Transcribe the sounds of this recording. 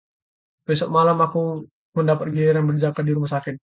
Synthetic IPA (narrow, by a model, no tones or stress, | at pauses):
pɛsɔʔ̚malamaku | mundapat̪̚ɡiɛɾanbərd͡ʒakadiɾumasakɪt̪̚